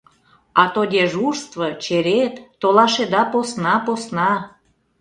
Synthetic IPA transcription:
ɑt̪od̪ʲeʒuʒst̪vɤt͡ɕeɾet̪ːolɑʃed̪ɑposnɑposnɑ

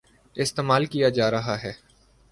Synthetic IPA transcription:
ɪst̪eːmaːlkijad͡ʒaːɾɐɦaɦɛː

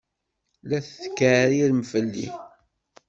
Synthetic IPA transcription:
læθθkːɾilmfəlːḭ

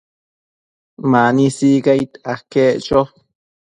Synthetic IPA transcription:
manisikait̪akeʔt͡ʃo

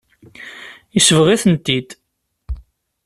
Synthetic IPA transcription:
isəvʁiθənt̪ːid̪

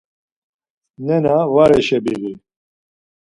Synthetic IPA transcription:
nɛnawaɾɛʃɛbiɣi

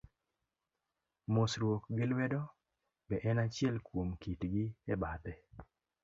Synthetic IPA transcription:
mosɾwokɡɪlwɛdɔ | bɛʔɛnat͡ʃɪɛlkwomkitɡɪɛbat̪ɛ

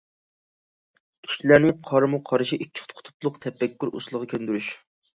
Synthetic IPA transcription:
kʲʰi̥ʃilæɾnɪqʰɑɾmuqʰɑɾɨʃiʔikʲːɪ̥χt̪qʰʊ̥t̪ʰʊ̥plˠʊqt̪ʰɛpːɛkʲːyɾṵslˠəʁɑkʲʰønd̪yɾyʃ

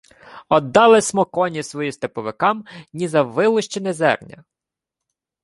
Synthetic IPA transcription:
ɔd̪ːɑlˠɪsmɔkɔnʲisʋɔjist̪epɔʋɪkɑmnʲizɐʋɪlˠʊʃt͡ʃɪnezɛ̰rnʲɐ̰

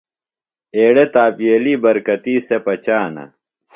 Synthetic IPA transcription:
eːɽet̪aːpieːliːbɐɾkɐt̪iːsepɐt͡ɕaːnɐ̰

